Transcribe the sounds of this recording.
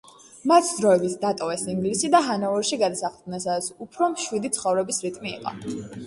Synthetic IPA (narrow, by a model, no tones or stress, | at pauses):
mat̪ʰd̪ɾɔɛbit̪sʰd̪at̪ʼɔvɛsiŋɡlisid̪aɦanauɾʃiɡad̪asaχlɡnɛnsad̪at̪sʰupʰɾɔmʃwid̪it̪sʰχɔvɾɛbisɾit̪ʼmḭːqʼɔ̰